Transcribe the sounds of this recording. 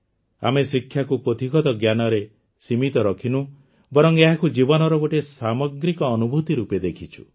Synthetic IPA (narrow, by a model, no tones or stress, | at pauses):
a̰mesikʰjakupɾot̪iɡɔd̪ɔɡjanɔɾe | simit̪ɔɾɔkʰinu | bɔɾɔŋeɦakud͡ʒibɔnɔɾɔɡoʈesamɔɡɾikɔːnubʱut̪iɾuped̪ekʰit͡ʃʰu̥